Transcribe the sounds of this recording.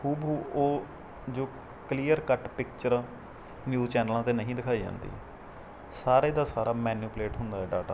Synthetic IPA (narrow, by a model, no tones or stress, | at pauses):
huːbɦuːoː | d͡ʒoː | kliːəɾkəʈpɪkt͡ʃəɾ | njuːt͡ʃɛːnəlãːt̪eːnəɦĩːd̪ɪkʰaːiːd͡ʒã̰ːnd̪ḭː | saːɾeːd̪aːsaːɾaːmɛːnjuːpleːʈɦʊnd̪aːɦɛːɖaːʈa̰ː